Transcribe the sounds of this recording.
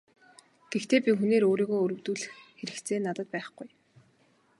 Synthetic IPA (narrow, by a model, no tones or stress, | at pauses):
ɡ̥ext̪ʰeːpʲixuneːɾoːɾiːɣoːɵɾɵ̆wt̪uːɮɘ̆xxeɾɘ̆kt̪t͡sʰeːnat̪ə̆t̪̚pæːχɡ̥ʊj